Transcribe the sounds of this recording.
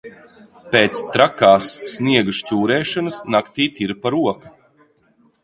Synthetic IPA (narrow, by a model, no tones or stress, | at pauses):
pʲeːt̪st̪ɾakaːsːniɛɡuʃcʲuːɾɛːʃɔnɨsnakt̪iːt̪ʲiɾpaɾuɔkḁ